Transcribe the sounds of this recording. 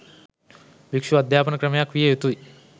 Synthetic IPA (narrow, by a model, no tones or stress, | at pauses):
bikʂuɐd̪ʱjaːpɐnɐkɾɐmjakʋijejet̪uj